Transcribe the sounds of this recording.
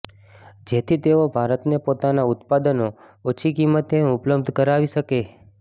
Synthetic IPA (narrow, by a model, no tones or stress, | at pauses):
d͡ʒet̪ʰit̪eobʱaɾət̪nepot̪anaʊt̪pad̪əno | ot͡ʃʰikimːət̪eʊpləb̚d̪ʱkəɾaʋiʃəke